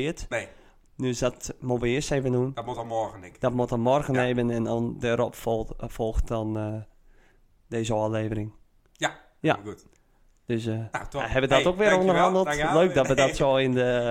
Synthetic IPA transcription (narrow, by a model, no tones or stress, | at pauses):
ɪətn | nøsdɔtmuʋəɪəsteːvənundtmutɔɣənɪd̥ɔtmutɔmɔrɣəneːbənɛndɔndɛːɾɔpffɔlˠxtdɔn | deːzəɔleːvərɪŋ | j | ja̰ | d̥øsahɛbədɔtokʋɪəɾondərɦɑndəl̩ˠtløːk̚dɔtʋədɔtsoːɪndə